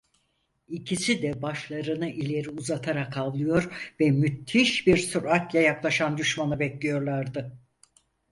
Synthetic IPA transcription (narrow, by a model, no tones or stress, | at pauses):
icʰisid̪ɛbaʃlˠaɾɯnɯʔilʲe̞ɾiuzat̪ʰaɾakʰallˠɯjo̞ɾvɛmyt̪ʰːiʃbiɾsuɾak̪jajaklˠaʃand̪yʃmanɯbɛclʲijo̞ɾlˠaɾd̪ɯ